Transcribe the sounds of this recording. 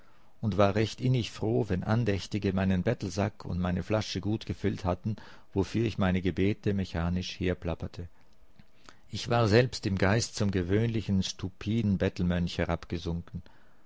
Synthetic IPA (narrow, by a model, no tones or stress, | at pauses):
ʔʊntv̥aːɐʁɛçtʔɪnɪçfʁ̥oːvɛnʔa̰ndɛçtɪɡəmaɪnənbɛtl̩zakʰʊ̰ntmaɪnəflaʃəɡuːtɡ̥əfʏlthatn̩ | v̥ofyːɐɪçmaɪnəɡəbeːtəmɛçaːnɪʃheːɐpl̥apɐtʰə | ʔɪçv̥aːɐzɛlpstɪmɡaɪstt͡sʊmɡəvøːnlɪçn̩ʃtupʰiːdn̩bɛtl̩mœnçhɛʁapɡ̥əzʊŋkn̩